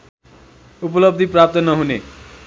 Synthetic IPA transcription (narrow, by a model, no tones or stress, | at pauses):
up̬ʌlʌb̚d̪ʱiprap̚t̪ʌnʌɦune